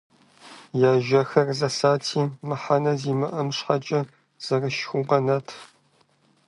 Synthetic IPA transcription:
jaːʒɐxɐrzɐsaːtʰiːmɨħanɐziːmɨʔɐmɕħat͡ʃʼɐ | z̥ɐrɨʃxʷʊqɐnɐtʰ

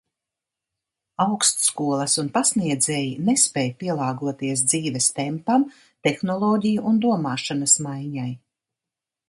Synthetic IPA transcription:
awkst̪skuɔlˠɐsunpasniɛd̪zɛːjinespɛːjpiɛlˠaːɡuɔt̪iɛs̬d̪ziːvɛst̪ɛmpam | t̪ɛxnɔlˠɔːɟʲijuʔund̪uɔmaːʃanɐsmajɲaj

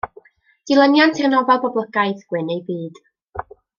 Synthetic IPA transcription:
d̥ɪlˠənjantʰɪrnɔvalˠbɔbləɡaɨðɡ̥wɪnejbiːd̥

